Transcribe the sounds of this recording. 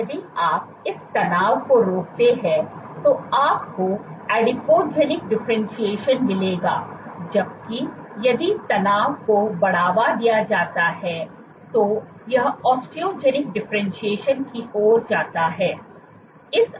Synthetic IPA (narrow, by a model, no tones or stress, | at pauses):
jɐd̪iaːp̚ɪst̪ɐnaːʋkoɾoːk̚t̪eɦɛ̃ | t̪oaːpkoɛːɖɪpoːd͡ʒɛːnɪk̚ɖɪfɾɛ̃nʃieːʃənmɪleːɡaːd͡ʒɐb̚kijɐd̪it̪ɐnaːʋkobɐɽ̤aːʋad̪ijad͡ʒaːt̪aɦɛ | t̪o | jɐɦɔːsʈɾiod͡ʒɛːnɪk̚ɖɪfɾɛ̃nʃieːʃənkioːɾd͡ʒaːt̪aɦɛː | ɪs